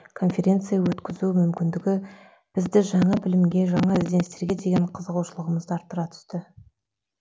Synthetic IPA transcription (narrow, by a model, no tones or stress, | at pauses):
kʰo̞nfʲe̞ɾʲe̞nt̪sɨjawɵt̪kʲɪzuɪmʏmkʲɪnd̪ɪɡʲɪ | b̥ɪzd̪ɪʒɑɴɑbɪlɪmɡʲe̞ʒɑɴɑɪzd̪e̞nst̪e̞ɾɡʲe̞d̪e̞ɡʲe̞ɴqʰəzəʁuwʃəlˠəʁəməzd̪əɑɾt̪ːəɾɑt̪ʰʏ̥st̪ɪ